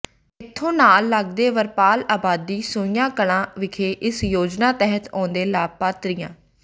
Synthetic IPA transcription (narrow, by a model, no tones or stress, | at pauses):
ɪt̪ʰːõːnaːlːəɡd̪eːʋəɾpaːlaːbaːd̪iːsʊ̃ɪjãːkəɽãːʋɪkʰeːʔɪsjoːd͡ʒnaːt̪ɛɦət̪ɔ̰̃ːnd̪eːlaːpaːt̪ɾɪjãː